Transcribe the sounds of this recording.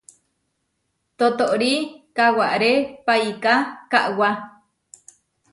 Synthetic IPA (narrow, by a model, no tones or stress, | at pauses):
t̪ot̪oʔɾikawaʔɾepajkakaʔwa